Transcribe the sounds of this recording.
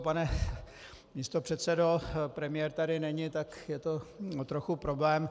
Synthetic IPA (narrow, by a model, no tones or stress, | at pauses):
panɛ | miːst̪o̞pr̥ɛt̪sɛdo̞pɾɛmɪjɛɾt̪adɪnɛɲɪt̪akjɛt̪oot̪ɾoxupɾoblɛːm